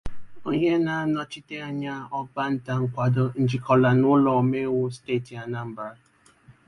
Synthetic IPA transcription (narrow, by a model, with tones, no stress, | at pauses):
o˦ɲe˦na˨a˦nɔ˨t͡ʃi˦te˦a˦ɲa˦ɔ˦ba˦n̩˦ta˨ŋ̩˦kʷa˨dʊ˦n̩˨d͡ʒi˨kɔ˨la˨nʊ˦lɔ˨me˦wo˦ste˦˨ti˨a˨na˦m̩˦ba˨˦